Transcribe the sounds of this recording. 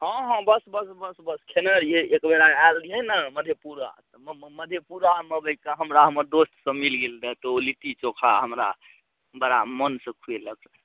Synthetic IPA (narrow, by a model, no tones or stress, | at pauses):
ɦɔ̃ɦɔ̃bəsbəsbəsbəskʰenəɾeekbeɾaaliɦɛnaməd̪ʱjepuɾa̰t̪ɔməd̪ʱjepuɾaməbəjkaɦəmɾaɦəməɾd̪osʈ̪sə̃milɡeld̪ət̪ɔolit̪it͡ʃokʰa̰ɦəmɾa̰ | bəɾamənsə̃kʰueləks